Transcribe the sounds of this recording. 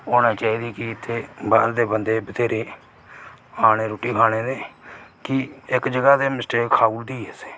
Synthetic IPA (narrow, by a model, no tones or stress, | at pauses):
oːnãːt͡ʃaːiːd̪iːkɪɪt̪ʰːeːbad̪eːbənd̪eːbət̪ʰeːɾeː | aːñeːɾoːʈiːkʰaːɽ̃eːd̪eːkɪɪkd͡ʒəɡaːd̪eːmɪsʈeːkkʰaːuːld̪iːɛse̥ː